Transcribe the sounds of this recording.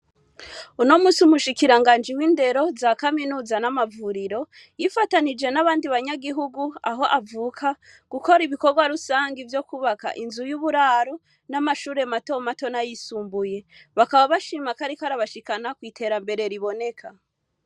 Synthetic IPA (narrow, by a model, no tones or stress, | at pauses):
uno̞muːsiumuʃikiɾaŋɡaːnd͡ʒiwiːnde̞ɾo̞zaːkaminuːzanamavuɾiɾo̞ | jifatanid͡ʒe̞naβaːndiβaɲaɡiɦuɡua̰ɦo̞ʔavuːkʰa | ɡ̥uko̞ɾiβiko̞ɾɡwaɾusaːŋɡivjo̞kuβaka̰ʔinzujuβuɾaːɾo | namaʃuːɾe̞mato̞mato̞najisuːmbuje̞ | βakaβaβaʃimakaɾikaɾaβaʃikanakwiːtʰe̞ɾambe̞ɾe̞ɾiβo̞ne̞kʰa